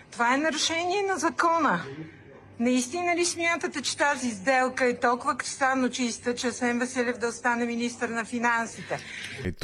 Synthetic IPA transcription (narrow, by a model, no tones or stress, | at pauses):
t̪ovaɛnɐɾɛʃɛniɛnɐzɐkɔnə | nɐist̪inəlisminət̪ət̪ət͡ʃɛ̥t̪azizd̪ɛlˠkəɛt̪ɔlˠkʊvəkɾist̪anot͡ʃist̪ət͡ʃɛsɛnvɛsɛlʲɛvd̪ɐost̪anɛminist̪əɾnɐfinansit̪ɛ